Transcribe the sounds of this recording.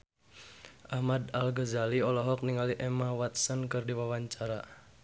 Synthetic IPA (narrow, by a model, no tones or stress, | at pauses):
ʔahmad̪alɡəzaliɔlɔɦɔk̚niŋaliʔɛmawat̪̚sənkɨrdiwawaɲt͡ʃaɾa